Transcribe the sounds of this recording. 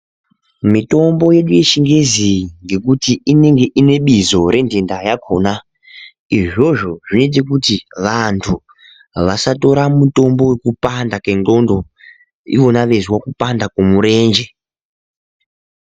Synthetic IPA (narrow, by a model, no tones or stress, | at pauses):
mito̞mbo̞je̞ɗuje̞ʃiŋɡe̞ziŋɡe̞kutiine̞ŋɡe̞ʔine̞ɓizo̞ɾʔe̞ndendajakʰona | iʐo̞ʐo̞ʐinot̬ikutiʋantʰu | ʋasato̞ɾamuto̞mbo̞wekupandakendo̞ndo̞ | ḭʋo̞naʋe̞ziwakupandakomuɾe̞ːnd͡ʒe